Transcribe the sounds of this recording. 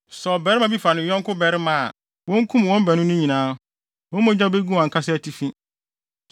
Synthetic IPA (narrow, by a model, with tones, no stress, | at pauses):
sɔ˨bɛ˨˦ɾɪ˦mã˨bi˦fa˨nɪ̃˨˦ɔ̃˦ŋkʰʊ˦bɛ˨ɾɪ˦mã̰˨ | wɔ̃˦ŋ˦kʰũ˦m˨wɔ̃˦m˦bɛ˨nʊ̃˦nʊ̃˦ɲĩ˨nãː˦ | wɔ̃˦mɔ̃˦d͡ʑã˦˨be˦ɡu˦˨a˨ŋ̩˨kʰa˦sɪ˦æ˨tʰi˦fĩ˦